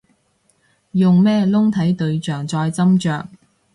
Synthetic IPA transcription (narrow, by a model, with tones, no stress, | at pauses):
jʊ˨ŋmɛː˥lʊ˥ŋt̪ʰɐ˨˥jt̪ɵ˧ɥt͡ʃœː˨˩ŋt͡sɔː˧jt͡sɐ˥mt͡ʃœː˨k̚